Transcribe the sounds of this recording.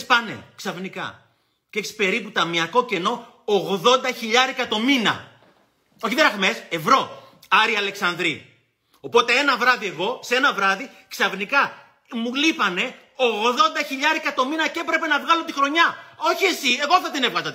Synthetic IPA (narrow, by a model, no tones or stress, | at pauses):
spɐne̞̰ksɐvnikɐ̰ | ceksi̥pe̞ɾiput̪ɐmiɐko̞ce̞no̞ː | ɣðo̞nd̪ɐçiʎɐɾekɐt̪o̞minɐ̰ | o̞çiðeɾɐxmese̞vɾo̞ | ɐɾiɐle̞ksɐnd̪ɾi | o̞po̞t̪e̞e̞nɐvɾɐðie̞ɣo̞se̞nɐvɾɐði | ksɐvnikɐ | mulipɐne̞ | o̞ɣðo̞nd̪ɐçiʎɐɾekɐt̪o̞minɐce̞pɾe̞pe̞nɐvɣɐlo̞t̪ixɾo̞ɲɐo̞çie̞sie̞ɣo̞θɐt̪inevɣɐzɐt̪e